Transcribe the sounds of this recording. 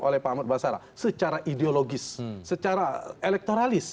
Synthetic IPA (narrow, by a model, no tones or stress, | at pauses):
olɛhpamət̪̚basaɾa̰ | sət͡ʃaɾaʔideoloɡɪsːət͡ʃaɾaelɛk̚t̪oɾalɪs